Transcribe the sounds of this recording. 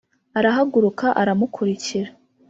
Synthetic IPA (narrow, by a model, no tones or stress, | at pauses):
aɾaɦaɡuɾukaʔaɾamukʰuɾiciɾa